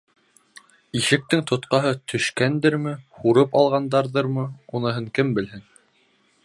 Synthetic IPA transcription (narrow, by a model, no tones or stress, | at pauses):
iʃɘ̆k̚t̪ɘŋt̪ʰŏt̪qɑɦɤt̪ʰɵ̆ʃkænd̪ɘɾmɘhuɾɤpɑlˠʁɑnd̪ɑɾðɤɾmɤunɤ̆ɦɤŋkɘmbɘ̆lɦɘn